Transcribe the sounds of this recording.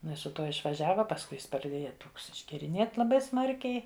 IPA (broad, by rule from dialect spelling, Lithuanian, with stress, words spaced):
ɪˈnɐɪ sʊ ˈtuɔ ɪʃʋɐˈʒʲæːʋɐ pɐsˈkʊɪ ˈjɪs prɐˈdʲeːjɛ ˈtoːks ɪʒʲɡʲɛrʲɪˈnʲeːt lˠɐˈbɐɪ ˈsmɐrʲkʲɛɪ